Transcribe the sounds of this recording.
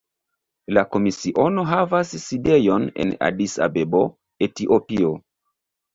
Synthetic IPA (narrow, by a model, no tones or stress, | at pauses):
lako̞misiʔo̞no̞ɦavasːide̞jo̞ne̞̰na̰disa̰bebo̞ | etiʔopio